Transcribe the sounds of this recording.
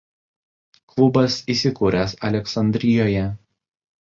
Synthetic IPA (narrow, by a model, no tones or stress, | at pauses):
klˠʊbɐsiːˑsʲɪkuːɾʲɛsɐlʲɛksɐnʲd̪ʲɾʲɪjoːjɛ